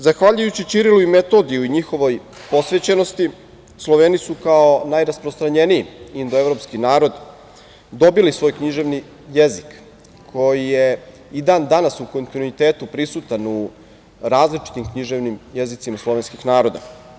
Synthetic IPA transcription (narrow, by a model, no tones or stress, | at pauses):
zaxʋaʎujut͡ɕit͡ɕiɾiluime̞t̪o̞d̪ijuiɲixo̞ʋo̞j | po̞sʋe̞t͡ɕe̞no̞st̪i | slˠo̞ʋeːnisukao̞najɾaspɾost̪ɾaɲe̞niiind̪oe̞vɾo̞pskinaːɾo̞d̪ | d̪o̞bilisʋo̞ːjkɲiʒe̞ʋni | jezik | kʰːo̞jije | id̪aːnd̪anasuko̞nt̪inuit̪eːt̪upɾisut̪anu | ɾaːzlit͡ʃi̥t̪imkɲiʒeʋnimjezit̪simaslˠo̞ʋe̞nskixnaːɾo̞d̪a̰